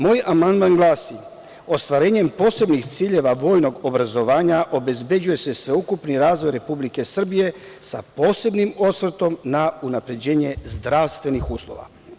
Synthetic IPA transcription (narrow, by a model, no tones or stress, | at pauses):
moːjamand̪maŋɡlˠaːsi | o̞st̪ʋaɾe̞ːɲe̞mpo̞ːse̞bnixt̪siːʎe̞ʋaʋo̞ːjno̞ɡobɾazo̞ʋaːɲaʔo̞be̞zbe̞d͡ʑuje̞se̞sʋe̞ukupniɾaːzʋo̞jɾe̞publike̞sr̩bije̞sapo̞ːse̞bnimo̞sʋr̩t̪o̞mnaunapɾe̞d͡ʑe̞ːɲe̞zd̪ɾaʋst̪ʋe̞nixuːslˠo̰ʋa̰